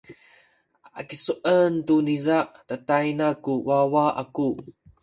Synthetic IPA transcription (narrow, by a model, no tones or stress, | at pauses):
a̰kisuʔəntunizaʔtatajnakuwawaʔa̰ku